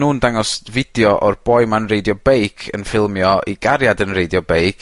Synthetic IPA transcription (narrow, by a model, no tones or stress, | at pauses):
nuːndaŋɔsvɪdjɔʔɔrb̥ɔjmanrejdjɔbejkʰənfɪlˠmjɔʔiɡaɾjadənrejdjɔbejkʰ